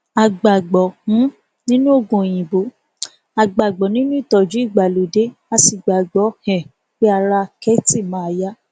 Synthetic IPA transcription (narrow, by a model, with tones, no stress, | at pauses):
a˨ɡ͡ba˨ɡ͡bɔ˨mũ˨˦ | nĩ˦nũ˦o˦˨ɡũ˨j̃ĩ˨bo˨˦ | a˨ɡ͡ba˨ɡ͡bɔ˨nĩ˦nũ˦i˦˨tɔ˨d͡ʒu˨˦i˦˨ɡ͡ba˨lo˨de˨˦a˧si˨ɡ͡ba˨ɡ͡bɔ˨˦hɛ̃˨ | k͡pe˦a˧ɾa˧kɛ˦ti˦˨mã˨˦a˧ja˦